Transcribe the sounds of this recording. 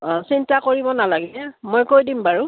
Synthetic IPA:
sintakoɹibɔnalaɡɛɛmojkojdimbaɹu

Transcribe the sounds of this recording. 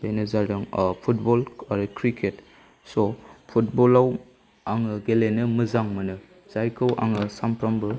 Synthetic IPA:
benɯzadaŋpʰut̚bɔlaɾɯkɾikʰet | sopʰut̚bɔlaw | aŋɯɡelenɯmɯzaŋmɯnɯ | z̥ajkʰɯwʔa̰ŋɯsampʰɾambɯ

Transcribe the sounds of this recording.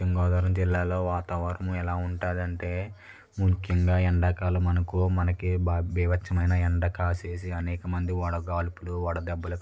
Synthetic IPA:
iŋɡaːd̪ɐːɾɐmd͡ʒilːaːlo̞ːʋaːt̪aːʋɐɾɐmuɛlaːuɳʈaːd̪ɐɳʈe̞ː | mukʰjɐŋɡaːɛɳɖɐkaːlumɐnɐkumɐnɐkibbɛːʋɐt͡ʃʰːɐmɐjnɐɛɳɖɐkaːseːsiɐnɛːkɐmɐnd̪iɔːɽɐɡaːlpuluʋɔːɽɐd̪ɛbːɐlɐk

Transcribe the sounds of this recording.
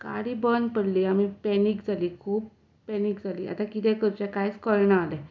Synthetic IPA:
ka̰ɽiːbənpəɽliːamipɛniːkd͡zʱaliːkʰuːbː | ɛniːkd͡zʱalḭːʔa̰t̪akit̪ɛkəɾt͡ɕakajt͡skɔɭɳaːlɛ

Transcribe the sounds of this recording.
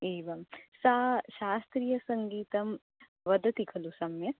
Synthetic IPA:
iːʋɐmsaːʃaːst̪ɾijɐsɐŋɡiːt̪ɐm | ʋɐd̪ʱɐt̪ikʰɐlusɐmjɐ

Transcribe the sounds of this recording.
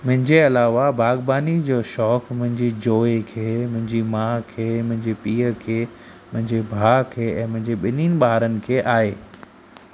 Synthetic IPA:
mʊ̃ɦɪ̃ɲd͡ʑeɐlaːʋabʱaːɡbaːnid͡ʑoːʃɔːkmʊ̃ɦɪ̃ɲd͡ʑid͡ʑoːekʰeːmʊ̃ɦɪ̃ɲd͡ʑimãːkʰeːmʊ̃ɦɪ̃ɲd͡ʑepiːəkʰeː | mʊ̃ɦɪ̃ɲd͡ʑebʱaːkʰeːɛ̃ːmʊ̃ɦɪ̃ɲd͡ʑeɓɪniːnɪ̆ɓaːɾənɪ̆kʰeːʔaːɦeː

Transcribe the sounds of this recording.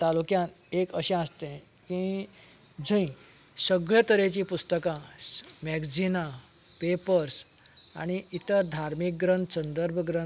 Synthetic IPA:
t̪alukjãnekəɕɛ̃əst̪ẽ | kĩi | d͡zə̃ĩ | səɡɭjat̪əɾet͡ɕipust̪əkãmɛɡd͡ʑina | pepəɾs | a̰ɽ̃iit̪əd̪ʱaɾmik̚ɡɾənt̪sənd̪əɾbʱəɡɾən

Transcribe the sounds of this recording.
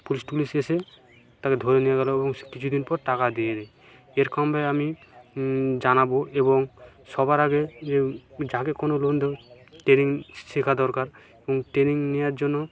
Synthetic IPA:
pulispulisese | t̪aked̪ʱoɾenijaɡɛloebɔŋkit͡ɕʰud̪inpɔɾʈakad̪ijed̪ɛ | eɾkɔmbaami | d͡ʑanaboebɔŋ | ʃɔbaɾaɡed͡ʑed͡ʑakekɔnolond̪e | ʈɾeniŋʃikʰad̪ɔɾkaɾ | ebɔŋʈɾeniŋnijaɾd͡ʑonːo

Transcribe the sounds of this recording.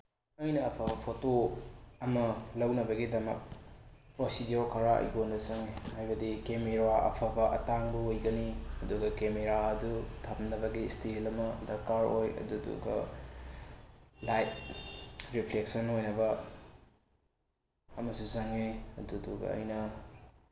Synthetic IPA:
ɐjnɐːpʰabɐpʰotoɐmɐlɐwnɐbɐɡidɐmɐ̰k̚pɾosidioɾkʰaɾaɐ̰jɡondɐsɐŋehajbɐdikemeɾaʔɐ̰pʰabɐʔɐ̰taŋbuojɡɐniɐduɡɐkemeɾaɐdutʰɐmnɐbɐɡistilɐmɐdɐɾkaɾojɐ̰dudṵɡɐ̰ | lajt̚ | ɾipʰleksɐnojnɐbɐ | ɐmɐsuzɐŋeɐduduɡɐ̰ːjnɐ

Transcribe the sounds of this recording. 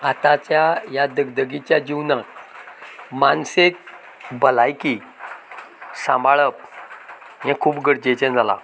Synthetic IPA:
at̪at͡ɕjajad̪əɡd̪əɡit͡ɕjad͡ʑiwnãk | mansek̚ | bəlajki | sãmbaɭəp̚ | ɦɛ̃kʰuːpɡəɽd͡ʑet͡ɕɛ̃d͡zala̰

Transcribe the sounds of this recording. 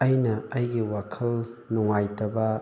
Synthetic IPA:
ɐjnɐɐjɡiwakʰɐlnuŋajtɐbɐ

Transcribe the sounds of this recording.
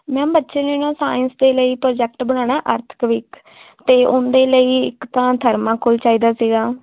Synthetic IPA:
mɛ̃ːbətːʃeːneːnãːsaːɪnsd̪eːləiːpɾːd͡ʒɛːk̚ʈbəɽ̃ãːɽ̃aːʔəɾt̪ʰkʋɪk | t̪eːʔʊnd̪eːləiːɪ̰kt̪ãːt̪ʰəɾmãːkʰʊlt͡ʃaːiːd̪aːsiːɡaː

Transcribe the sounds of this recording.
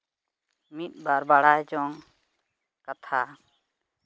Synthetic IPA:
mit̪̚ˀbaɾbaɽajd͡ʒɔŋ | kat̪ʰa

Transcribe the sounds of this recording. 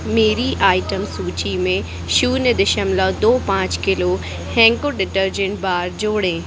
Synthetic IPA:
meːɾiʔaːɪʈəmsuːt͡ɕimẽ | ʃuːned̪ɪʃəmlad̪oːpãːt͡ɕkɪlo | hɛ̃ːŋkoɖɪʈəɾd͡ʑẽɳʈbaːɾd͡ʑoːɽẽː

